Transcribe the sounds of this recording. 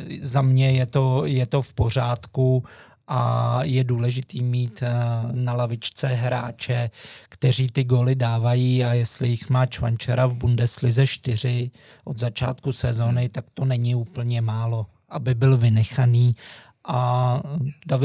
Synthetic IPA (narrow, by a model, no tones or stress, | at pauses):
zamɲɛjɛt̪o̞jɛt̪o̞fpo̞r̝aːt̪ku | ʔa̰jɛduːlɛʒɪt̪iːmiːt̪nalavɪt͡ʃt͡sɛɦɾa̰ːt͡ʃɛkt̪ɛr̝iːt̪ɪɡo̞ːlɪdaːvajiːajɛst̪lɪjɪxmaːt͡ʃva̰nt͡ʃɛɾavbundɛslɪzɛʃt̪ɪr̝ɪ | ʔo̞d̪zat͡ʃa̰ːt̪kusɛzo̞nɪt̪akt̪o̞nɛɲɪuːpl̩ɲɛmaːlo̞ | ʔabɪbɪlvɪnɛxaniː | ʔa | davɪ